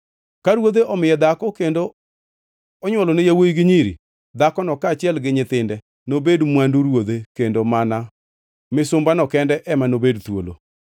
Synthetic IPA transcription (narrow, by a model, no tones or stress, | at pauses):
kaɾwod̪eʔɔmɪjɛd̪akɔkendo | ɔɲwɔlɔnɪjawoiɡɪɲiɾḭ | d̪akɔnɔkat͡ʃɪɛlɡɪɲɪt̪ɪndɛ | nobedmwanduɾwod̪ekendomana | mɪsʊmbanɔkɛndɛʔɛmanobedt̪wo̰lo̰